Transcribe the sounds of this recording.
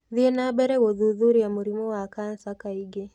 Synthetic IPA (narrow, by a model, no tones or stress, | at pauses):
ðiɛnaɓɛɾɛwɔðuðuɾijamuɾimɔwakansakaiɡɛ